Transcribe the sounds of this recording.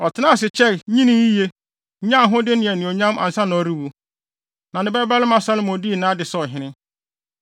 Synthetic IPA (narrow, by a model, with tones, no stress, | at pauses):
ɔ˨tʰɪ˨˦nã˦˨s̬ɪ˨t͡ɕʰɛ˦ɲĩ˦nĩ˦ji˦je˦˨˦ | ã˦ɦʊ̃˦dɪ˦nɪ̃˨ɛ˨nɪ̃˨o˨ɲã˦mʔa̰˨n̩˨sã˦nɔ̃˨˦ɾi˦wu˨ | nã˨nɪ̃˦bɛ˦ba˦lɪ˦mã˨sa˦lmõ˨di˦˨nã˦dɪ˨sɔ˨ɦɪ̃˨˦nɪ̃˦